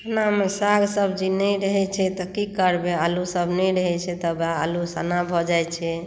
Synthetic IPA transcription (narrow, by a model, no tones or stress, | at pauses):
ənamesaɡsəbd͡ʒinɛjɾəɦɛt͡ʃʰɛt̪ɔkikəɾbealusəbʱnɛɾəɦɛt͡ʃʰɛt̪ɔbaːlusanabʱɔd͡ʒajt͡ʃʰɛ